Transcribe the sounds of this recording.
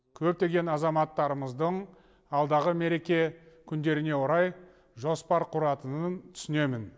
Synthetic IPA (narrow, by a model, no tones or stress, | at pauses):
kʲʰɵp̚t̪e̞ɡʲe̞nɑzɑmɑt̪ːɑɾəməzd̪əɴ | ɑlˠd̪ɑʁəme̞ɾe̞kʲe̞ | kʲʰʏnd̪e̞ɾɪne̞woɾɑj | ʒo̞spɑɾqʰʊɾɑt̪ənənt̪ʰʏ̥sɪne̞mɪn